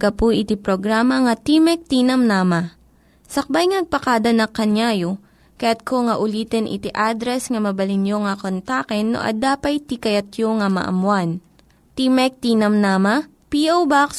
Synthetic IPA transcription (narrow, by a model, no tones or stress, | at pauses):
kɐpuʔɪt̪ipɾoɡɾamɐŋɐt̪imɛk̚t̪inɐmnaːmɐ | sɐk̚bajŋɐnɐɡ̚pɐkaːd̪ɐnɐkːɐnjaːjo | kɐjat̪̚kʰoŋɐʔʊliːt̪ɛnʔɪ̰t̪iʔad̪ɾɛsŋɐmɐbɐlɪnjoŋɐkont̪akɛnːo̰ʔɐ̰d̪aːpɐjt̪ikɐjɐt̪̚joŋɐmɐ̰ʔɐ̰mwan | t̪imɛk̚t̪iːnɐmnamɐ | piʔowbaks